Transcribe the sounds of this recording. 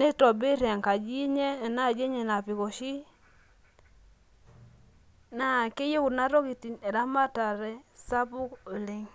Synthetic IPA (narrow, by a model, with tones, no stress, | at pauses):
ne˦tɔ˨bi˦ɾja˨ŋka˨d͡ʒi˦ɲe˦˨na˦˨d͡ʒe˦ɲe˨na˨pi˨ko˨ʃi˦ | na˦˨ke˦je˦ku˨na˦ɾo˦ki˨ti˨ne˨ɾa˦ma˦ta˨ɾɛ˦sa˦pu˦ko˨le˦ŋ